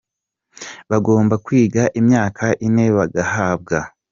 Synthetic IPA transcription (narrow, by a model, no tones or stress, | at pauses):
βaɡo̞ːmbakwiːɡaʔimɲaːkʰaʔine̞βaɡahaːb̚ɡa